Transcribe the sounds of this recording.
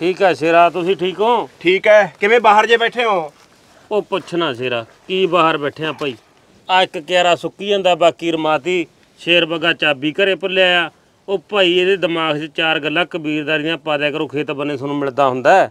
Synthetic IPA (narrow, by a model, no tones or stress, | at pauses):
ʈʰiːkɦɛːseːɾaːt̪ʊsĩːʈʰiːkɦoːʈʰiːkɦɛːkɪmẽːbaːɦəɾd͡ʒeːbɛːʈʰeːɦoː | oːpət͡ʃʰnaːseːɾaː | kiːbaːɦəɾbɛːʈʰeːãːpaːiː | aːɪkːjaːɾaːsʊkːiːãːnd̪aːbaːkiːɾəmaːt̪iː | ʃeːɾbəɡaːt͡ʃaːbiːkəɾeːpəlːeaːjaː | oːpaːiːeːd̪eːd̪əmaːɡt͡ʃt͡ʃaːɾɡəlːaːkəbiːɾd̪aːɾɪjãːpaːd̪ẽːkəɾõːkʰeːt̪bəneːs̬ənũːmɪɭd̪aːɦʊ̃nd̪aːɛː